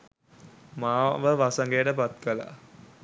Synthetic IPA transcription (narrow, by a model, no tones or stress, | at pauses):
maːʋəʋasəŋɡejəʈəpat̪kəla̰